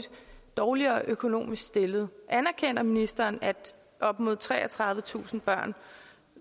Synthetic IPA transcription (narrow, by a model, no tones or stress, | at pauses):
d̥d̥ɒːliɐːʔøkʰo̝no̝̰ːmisɡ̥sd̥e̝lð̞̩ˠʔænæɐkʰen̰ɐminisd̥ɐːnæd̥ | ʔɒ̽b̥mo̝ð̞̰ˠt͡sʰʁɛ̰ːɐt͡sʰʁɑ̈ð̞ˠʋət͡sʰṵːsn̩b̥ɶɐ̰n